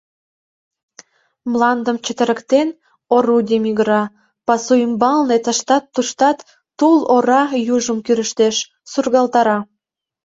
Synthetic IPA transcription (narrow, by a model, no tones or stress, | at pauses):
mlɑnd̪əmt͡ɕə̆t̪ə̆ɾə̆kt̪en | oɾud̪ʲemiɣəɾɑ | pɑsujəmbɑlnet̪əʃt̪ɑt̪ːuʃt̪ɑt̪ː | uloɾɑjuʒəmkyɾəʃt̪eʃ | surɣɑlt̪ɑɾɑ